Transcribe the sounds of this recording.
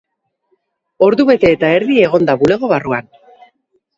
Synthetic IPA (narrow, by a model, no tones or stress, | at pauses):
o̞ɾðuβe̞t̪e̞ːt̪ae̞ɾðie̞ɣ̞o̞nd̪aβule̞ɣo̞βaruan